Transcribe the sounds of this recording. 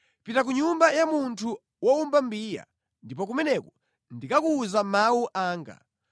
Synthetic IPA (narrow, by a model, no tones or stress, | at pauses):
pitak̬uɲumbajamuntʰu | wɔumbambiːja̰ | ndipɔk̬umɛnɛkɔ | ndikakuːzamawuʔaːŋɡa̰